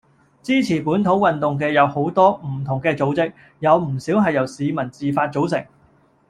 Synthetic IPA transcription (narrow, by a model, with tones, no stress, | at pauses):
t͡siː˥t͡sʰiː˨˩puː˨˥nt̪ʰo˨˥wɐ˨nt̪ʊ˨ŋk̬ɛː˧jɐ˨˧who˨˥wt̪ɔː˥m̩˨˩t̪ʰʊ˨˩ŋkɛː˧t͡so˨˥wt͡sɪ˥k̚ | jɐ˨˧wm̩˨˩siː˨˥wɦɐ˨jɐ˨˩wsiː˨˧mɐ˨˩nt͡siː˨faː˧t̚t͡so˨˥ws̬ɪ˨˩ŋ